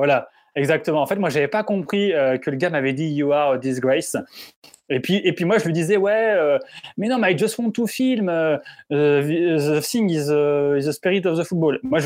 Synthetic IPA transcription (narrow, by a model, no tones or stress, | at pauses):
vwala | ɛɡzak̚t̪əmɑ̃ːfɛt̪mwaʒavɛpakɔ̃pχiøkələɡamavɛd̪ijaʁød̪is̬ɡʁɛs | epɥiʔepɥimwaʒəlɥid̪izɛwɛømɛnɔ̃maʒəswɔ̃t̪ufilmø | vizɔsiŋizøizəspiʁit̪ɔvd̪əfut̪̚bolmwaʒ